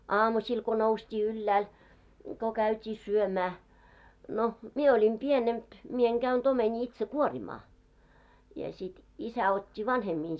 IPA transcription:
ɑːmusʲil ko noustʲiː ylːæːl ko kæytʲiː syømæː no mie olʲim pienemp mie eŋ ɡ̊æynt omenʲiː itse kuorimɑː jɑ sit isæ otʲːi ʋɑnhemːin

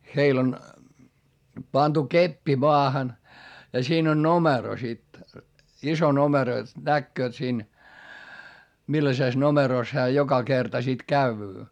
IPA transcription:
heil on pɑntu kepːi moɑhɑn jɑ siːn on nomero sit iso nomero jot nækːøːt siːn milːɑseˑs nomeroˑs hæː jokɑ kertɑ sit kæyʋyː

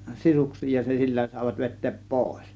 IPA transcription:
sisuksˑiːj jɑ se silːæ sɑˑe̝ʋɑt ʋe̞tˑeːp poˑe̝s

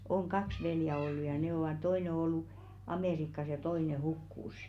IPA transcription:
oŋ kɑks ʋeljæ olːu jɑ ne oʋɑˑ toine ŏ olːu ɑmeˑrikːɑs jɑ toine hukːuˑsˑ

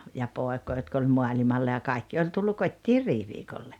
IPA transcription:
jɑ poˑekoː jotk olʲ moɑlʲimɑlːɑ jɑ kɑikːi olʲ tulːu kotʲːiːr riːʋiːkolːe

